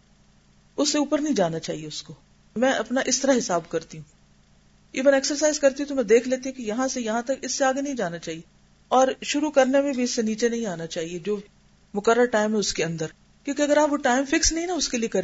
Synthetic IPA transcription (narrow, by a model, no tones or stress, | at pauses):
ʊsːeuːpəɾnɐɦĩd͡ʒaːnat͡ʃaːɦieʊsko | mɛ̃ːʔɐpnaʔɪst̪ɐɾaɦɪsaːbkɐɾt̪iɦũː | iːʋənɛːksəɾsaːɪzkɐɾt̪iɦũt̪omɛ̃d̪eːkʰleːt̪iɦũkijɐɦãsejɐɦãt̪ɐkɪsːeaːɡenɐɦĩd͡ʒaːnat͡ʃaːɦie | ɔːɾʃʊɾukɐɾnemẽbʱiɪsːeniːt͡ʃenɐɦĩaːnat͡ʃaːɦied͡ʒoː | mʊkəɾːəɾʈaːɪmɦɛ̃ʊskeɐ̃nd̪əɾ | kjõːkiɐɡəɾaːpʋoʈaːɪmfɪksnɐɦĩnaʊskeliekɐɾ